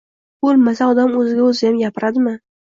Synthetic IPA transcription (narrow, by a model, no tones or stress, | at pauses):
b̥olˠmasaɒd̪amɵzɪɡʲaɵzɪjamjʲapɪɾad̪ɪmɪ